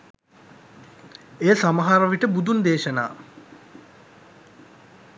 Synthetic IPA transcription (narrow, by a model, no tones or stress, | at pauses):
eːsamɐɦaɾɐʋiʈəbud̪und̪eːʃəna̰ː